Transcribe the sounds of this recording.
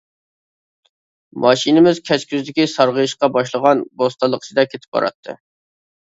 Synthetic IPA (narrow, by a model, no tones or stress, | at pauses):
mɑʃinɪmɪzkʲʰɛt͡ʃkʲyzd̪ɪkʲisɑɾʁəjiʃqɑbɑʃlˠəʁɑnbost̪ɑlˠːəqʰə̥sʰɨd̪ɛkʲʰet̪ʰɪ̥p̚bɑ̰ɾɑ̰t̪ʰːɨ̰